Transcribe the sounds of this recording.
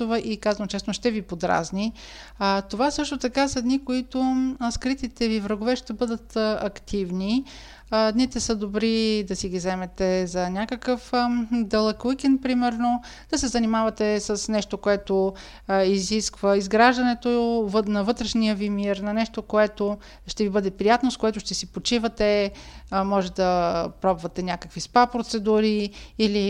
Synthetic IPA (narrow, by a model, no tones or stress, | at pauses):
ovəʔikazvənt͡ʃɛsnoʃt̪ɛvipod̪ɾa̰zni | t̪ovasɤʃt̪ot̪ɐkasɐd̪nikoit̪oskɾit̪it̪ɛvivɾɐɡovɛʃt̪ɛbɤd̪ət̪ɐkt̪ʰivni | d̪nit̪ɛsəd̪obɾid̪ɐsiɡʲizɛmɛt̪ɛzɐnʲakəkəfd̪ɐlˠɐkək̟inpɾimɛɾno | d̪̥ɐsɛzɐnimavɐt̪ɛsəsnɛʃt̪okoɛt̪o | iziskvəizɡɾaʒd̪ɐnɛt̪ovnɐvɤt̪ɾɛʃnijəvimiɾnɐnɛʃt̪okoɛt̪o | ʃt̪ɛvibɤd̪ɛpɾijat̪noskoɛt̪ʊʃt̪ɛsipot͡ʃivət̪ɛ | mɔʒɛt̪ɛd̪ɐpɾɔbvɐt̪ɛnʲakə̥kvispapɾot̪sɛd̪uɾiili